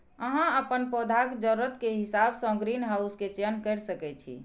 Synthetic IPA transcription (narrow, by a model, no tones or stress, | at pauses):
əɦãəpənpɔd̪ʱakd͡ʒəɾuɾət̪keɦisabsə̃ɡɾinɦausket͡ʃenkəɾsəkɛt͡ʃʰḭ